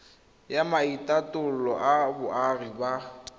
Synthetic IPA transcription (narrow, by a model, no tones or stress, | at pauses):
jamaitʼatʼʊlɔʔabʊarɪba